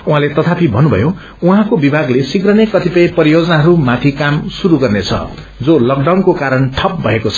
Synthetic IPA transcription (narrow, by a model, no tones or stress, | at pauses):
ũɦãlet̪ʌt̪ʰapʰibʱʌnːubʱʌ̰jo | uɦãkobibʱaɡlesiɡrʌnekʌt̪ipʌjpʌɾijod͡zʌnaɦʌɾumãt̪ʰikamsuɾuɡʌrnet͡sʰʌ̰ | d͡zolʌk̚ɖawnkokaɾʌnʈʰʌp̚bʱʌekot͡sʰʌ̥